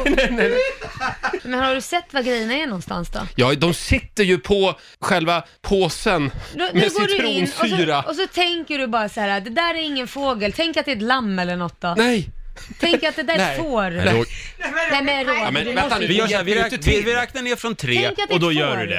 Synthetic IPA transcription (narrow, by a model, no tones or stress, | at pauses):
ɛɛ | mɛnh̪haɖɵsɛt̪ːvaɡɾɛjːənaænɔnst̪a̰nsd̪ɔ̰jɑːd̪ɔmsɪt̪ːəɾjɵpʰɔ | ɧɛlva | pʰoːsənd̪ɔmɛɡoːdɾuːnsyːɾaʔɔs̬ɔt̪ʰɛŋkəɖɵbɑːɾasahæːɾad̪ɛd̪æːɾæɾɪŋːənfoːɡəlt̪ʰɛŋkat̪̚d̪ɛːɛt̪lamːɛlːəɳɔt̪ːd̪ɔnɛjt̪ʰɛŋkɾat̪̚d̪ɛd̪æɾffoːɾ̰ | nɛmɛndomɛnd̪ɛɔavɪvɪɾɛvɪɾɛːknaneːɾfɾɔnt̪ʰɾeɛːŋkat̪ːɔd̪ɔjœːɖʉ̰d̪ɛ̰